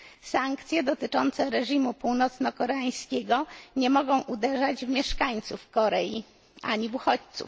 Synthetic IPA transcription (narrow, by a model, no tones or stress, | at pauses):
saŋkt̪sʲjɛd̪ɔt̪ɘt͡ʂɔnt̪sɛɾɛʐimupuwnɔt̪snɔkɔɾɛaj̃skʲɛɡɔɲɛmɔɡɔ̃w̃ʔud̪ɛʐad͡ʑvmʲjɛʂkaɲt̪sufkɔɾɛji | ʔa̰ɲivuxɔt͡ɕt̪sṵf